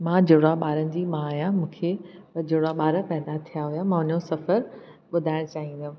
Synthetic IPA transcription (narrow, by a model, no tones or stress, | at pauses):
mãd͡ʑoɽaɓaːɾənɪ̆d͡ʑiːmãːɦijãmũːkʰe | d͡ʑoɽaɓaːɾəpɛɦd̪at̪ʰijaɦujamãːʊnjosɐfəɾ | ɓʊd̪ʱaːɪɽ̃t͡ɕaːɦĩnd̪ijʊ̃